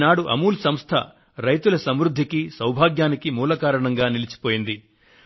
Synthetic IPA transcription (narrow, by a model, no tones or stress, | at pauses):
naːɽuʔɐmuːlsɐmst̪ʰɐ̰ | ɾɐjt̪ulɐsɐmɾud̪ʱːikisɐwbʱaːɡjaːnikimuːlɐkaːɾɐɳɐŋɡaːnilit͡ʃi̥poːjind̪i